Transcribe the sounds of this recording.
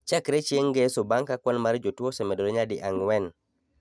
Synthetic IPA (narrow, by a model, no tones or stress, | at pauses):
t͡ʃakɾet͡ʃieŋɡesobaŋkakwɔnmaɾd͡ʒotwosɛmɛdoloɲadɪʔaŋwɛn